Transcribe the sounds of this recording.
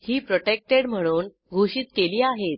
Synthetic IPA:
hiːpɾoʈek̚ʈeɽm̤əɽ̃uːn | ɡʱuɕiːt̪keliːaɦet̪̚

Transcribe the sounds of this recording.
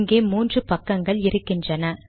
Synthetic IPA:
ŋɡeːmuːndrɯpɐkːɐŋɡɐɭɪɾɯkːɪndrɐnɐ

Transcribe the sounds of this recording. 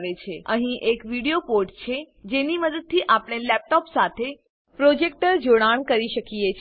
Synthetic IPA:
ʋet͡ʃʰeəɦĩʔekʋiɽijopoɾʈt͡ʃʰe | d͡ʒeniməd̪əd̪̚t̪ʰːiʔapɽ̃elɛp̚ʈɔpsat̪ʰe | pɾod͡ʒek̚ʈəɾd͡ʒoɽ̃aɳkəɾiʃəkijet͡ʃʰ

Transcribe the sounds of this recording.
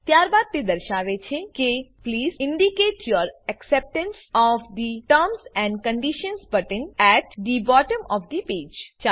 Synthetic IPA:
t̪jaːɾbaːd̪̚t̪ed̪ɐɾʃaːʋet͡ʃʰekepliːzɪ̃ɳɖikeːʈʰjɔɾɛksɛp̚ʈə̃nsɔʋd̪iʈəɾmsɛ̃ɳɖkə̃ɳɖiʃə̃nsbɐʈə̃nɛʈd̪ibɔːʈə̃mɔfd̪ipeːd͡ʒt͡ʃa

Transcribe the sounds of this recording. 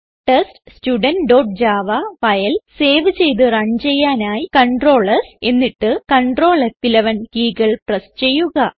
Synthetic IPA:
ʈesʈstuɖɐnɖo̞ːʈ̚d͡ʑaːʋɐʋɐjɐlse̞ːʋɨt͡ɕe̞jt̪ɨrɐɲt͡ɕe̞jːaːnaːjikɐɳɖro̞ːɭɐse̞nːiʈːɨkɐɳɖro̞ːɭɐt̪ːilɐʋɐnkiːɡɐɭprɐst͡ɕe̞jːuɣɐ

